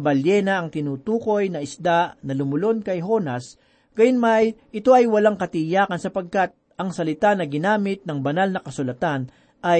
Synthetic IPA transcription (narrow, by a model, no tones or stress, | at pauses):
bɐljɛnɐʔɐŋt̪ɪnuːt̪uːko̞jnɐɪsd̪aʔnɐlʊmʊlo̞nkɐjɦo̞nɐs | ɡ̥ɐjʊnmajʔɪt̪o̞ɐjwɐlaŋkɐt̪ɪjaːkɐnsɐpɐɡ̚kat̪̚ | ʔɐŋsɐlɪt̪anɐɡɪnaːmɪt̪̚nɐŋbɐnalnɐkɐsʊlɐt̪an | ʔɐj